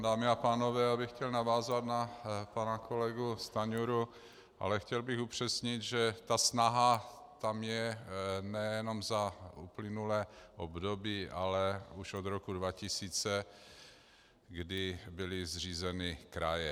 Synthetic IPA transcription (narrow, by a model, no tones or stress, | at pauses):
daːmɪapaːno̞vɛːjaːbɪxcɛlnavaːzat̪napanakʰo̞lɛɡust̪aɲuɾu | ʔa̰lɛxcɛlbɪxupr̝̥ɛsɲɪt̪ʒɛt̪asnaɦa | t̪amjɛnɛjɛno̞mzaṵplɪnulɛːʔobdobiːʔalɛuʃod̪ɾokudvacɪsiːt͡sɛ | ɡdɪbɪlɪzr̝iːzɛnɪkɾa̰jɛ